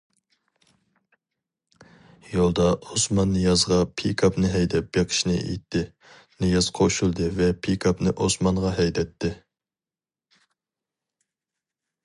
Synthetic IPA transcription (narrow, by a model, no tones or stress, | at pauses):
jolˠd̪ɑosmɑnːɨjɑzʁɑpʰikʰɑpnɨɦɛjd̪ɛp̚beqʰə̥ʃnɨ̰ʔḛt̪ʰːɪ | nɨjɑz̥qʰoʃulˠd̪ɨvɛpʰikʰɑpnɨʔosmɑnʁɑɦɛjd̪ɛt̪ʰːɪ